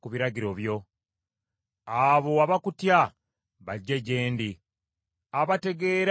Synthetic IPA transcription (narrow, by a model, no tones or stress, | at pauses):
kuβiɾaɟiɾo̞βjo̞ | aβo̞aβakutja | βaɟːe̞ɟe̞ːndi | aβate̞ɡe̞ɾ